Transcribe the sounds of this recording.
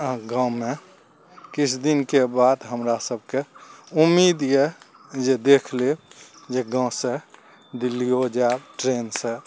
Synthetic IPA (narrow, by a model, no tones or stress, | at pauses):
ɡãme | kit͡ʃʰd̪inkebad̪ɦəmɾasəb̚ʱkeumːid̪je | d͡ʒed̪ekʰled͡ʒeɡãse | d̪ilːiod͡ʒabʈɾensẽ